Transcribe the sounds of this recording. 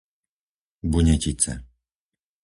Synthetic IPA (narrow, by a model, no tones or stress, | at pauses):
buɲɛcit͡sɛ̰